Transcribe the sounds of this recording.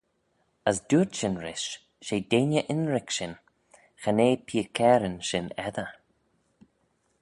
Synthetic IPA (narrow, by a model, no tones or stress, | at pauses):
əsduːtʃɪnɹɪʃ | ʃeːdeːnʲjəʔɪnɹɪkʃɪn | xaneːpʰiːəkʰɛːɾənʃɪnɛðə